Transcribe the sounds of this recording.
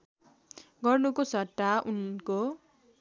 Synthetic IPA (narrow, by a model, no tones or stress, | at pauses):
ɡʌrnukosʌʈːaʔunko